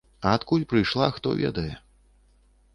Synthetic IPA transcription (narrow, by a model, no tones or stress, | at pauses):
ɐat̪kulʲpɾɨjʂlˠaxt̪ɔ̰vʲɛ̰d̪ɐjɛ